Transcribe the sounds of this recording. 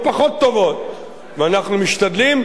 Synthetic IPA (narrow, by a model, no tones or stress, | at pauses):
paχo̞t̪ːo̞vo̞t̪̚ | veanaχnumiʃt̪ad̪lim